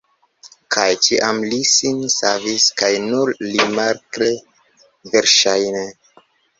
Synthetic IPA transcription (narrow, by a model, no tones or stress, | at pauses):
kʰajt͡ʃiʔamlisinsaviskajnuɾlimaɾkle | veɾʃajne